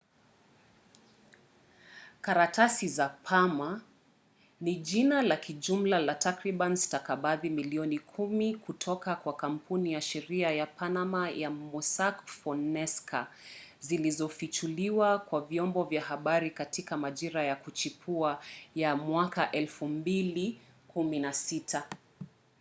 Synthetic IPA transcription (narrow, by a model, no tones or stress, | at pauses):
kaɾatasizapʰama | niʄinalakʰiʄum̩lalatakɾiɓanstakaɓaðimiliɔnikʰumikutʰɔkakwakam̩punijaʃɛɾiajapanamajamusakfɔnnɛskazilizɔfit͡ʃuliwakwavjɔmbɔvjahaɓaɾikatikamaʄiɾajakut͡ʃipʰuajamwakaʔɛlfumbili | kuminasitʰa